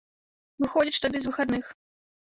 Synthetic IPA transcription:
vɨxɔd͡zʲiʂt̪ɔbʲɛzvɨxad̪nɨx

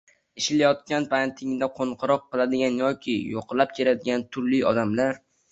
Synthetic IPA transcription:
ɪʃlajɒt̪̚kʲanpʰant̪ʰɪŋd̪aqʰoɴqʰɨɾɒqːɨlˠad̪ɪɡʲanjɒkʲʰɪjoqʰlˠap̚kʲʰeɾad̪ɪɡʲant̪ʰʊɾlɪɒd̪amlaɾ

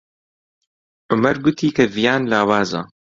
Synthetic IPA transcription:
ʔʊmɐɾɡʊt̪ʰiːkʰɐvijaːnlaːwaːza̰ː

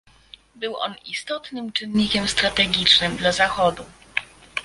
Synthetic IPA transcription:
bɘwʔɔ̰nist̪ɔt̪nɘmt͡ʂɘnɲikʲɛmst̪ɾat̪ɛɡʲit͡ʂnɘmd̪lazaxɔd̪u

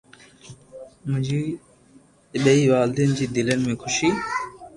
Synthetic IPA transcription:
mʊ̃d͡ʑiː | ɓeiːʋaːld̪ind͡ʑiːd̪ɪlənɪmẽːkʰʊʃiː

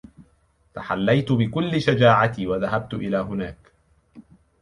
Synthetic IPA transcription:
t̪aħalːajt̪ʊbɪkʊlːɪʃad͡ʒaːʕat̪iːwaðaɦab̚t̪ʊʔɪlaːɦʊnaːk

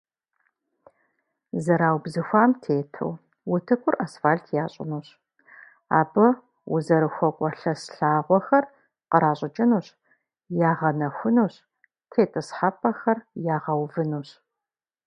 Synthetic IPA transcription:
zɐɾaːwbzɨxʷaːmtʰeːtʰɨ̰w | wʊtʰɨkʷʰʼʊrʔɐsfaːɬtʰjaːɕʼɪ̰nuːɕ | a̰ːbɨ | wʊ̰zɐɾɨxʷɔkʷʼɐɬɐsɬaːʁʷɔxɐr | qəɾaːɕʷʼɪt͡ʃʼɪnuɕ | jaːʁɐnɐxʷʊnuːɕ | tʰeːtʼɨsħapʼɐxɐrjaːʁɐwvɨnuːɕ

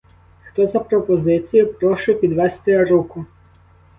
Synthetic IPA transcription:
xt̪ɔzɐpɾɔpɔzɪt͡sʲijʊpɾɔʃʊpʲid̪ʋɛst̪ɪɾukʊ

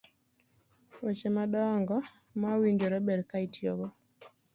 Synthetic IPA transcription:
ɔt͡ʃɛmaɗɔaŋɡɔ | mawindɔɾɔbɛɾkaitiɔbɔ

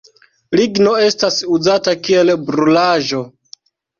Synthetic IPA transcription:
liɡno̞e̞stasuzatakie̞lbɾulaʒo̞

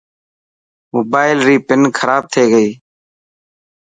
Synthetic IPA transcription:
moːbaːɪlɾiːpɪnkʰəɾaːb̚t̪ʰeːɡəiː

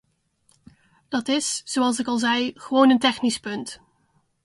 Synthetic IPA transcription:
d̥ɑtɪsz̥oɑlˠs̬ɪkɑlˠzɛjχəʋownəntɛχnispɵnt

